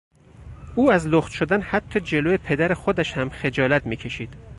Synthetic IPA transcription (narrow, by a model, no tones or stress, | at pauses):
ʔuːæzloxt̪ʃod̪ænhæt̪ʰːɒːd͡ʒe̞loːjepʰe̞d̪æɾexod̪æʃhæmχe̞d͡ʒɒːlæt̪miːcʰe̞ʃiːd̪̥